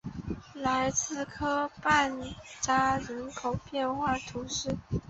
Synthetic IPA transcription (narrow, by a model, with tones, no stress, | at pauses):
la˧˥ɪt͡sɹ̩˥˩kʰɤ˥pa˥˩nʈ͡ʂa˥ɻə˧˥nkʰo˨˩ʊpjɛ˥˧nxwa˥˩t̪ʰu˧˥ʂɻ̩˥˩